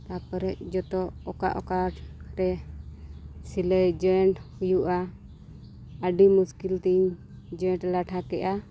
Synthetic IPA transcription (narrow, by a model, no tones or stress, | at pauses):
t̪apəɾɛc̚d͡ʒɔt̪ɔʔɔka̰ʔɔkaʈɾɛ | siləjd͡ʒɔɳʈhujuʔa | əɖimuskilt̪iɲ | d͡ʒɔ̃ʈlaʈʰakɛʔa